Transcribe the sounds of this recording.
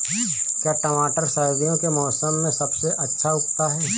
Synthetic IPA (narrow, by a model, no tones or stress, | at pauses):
kjaːʈəmaːʈəɾsaːjoːɡijõkemɔːsəmːẽsɐbseʔɐtːʃʰaʊkt̪aɦɛː